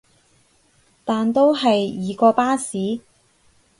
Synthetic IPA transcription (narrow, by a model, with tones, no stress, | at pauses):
t̪aː˨nt̪o˥wɦɐ˨jiː˨kɔː˧paː˥siː˨˥